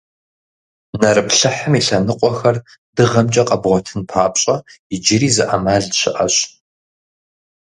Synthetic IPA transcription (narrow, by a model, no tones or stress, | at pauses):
nɐrɨpɬɨħəmiɬɐnɨqʷʼɔxɐr | dɨʁɐmt͡ʃʼɐqʼɐbʁʷɔtʰɨnpʰaːpɕʼɐɪd͡ʒɪɾiːzɨʔamaːɮɕʰɪʔɐɕ